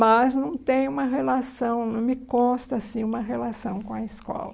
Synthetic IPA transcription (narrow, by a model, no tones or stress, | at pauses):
mɐznɐ̃w̃t̪ẽj̃ũmɐɦelasɐ̃w̃nɐ̃w̃mɪkõst̪ɐsĩũmɐɦelasɐ̃w̃kõɐiskɔ̰lɐ